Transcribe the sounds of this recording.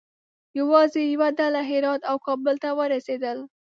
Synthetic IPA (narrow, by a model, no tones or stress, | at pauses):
jawɑzejawad̪alaɦɪɾɑd̪awkɑbəlt̪awəɾased̪əl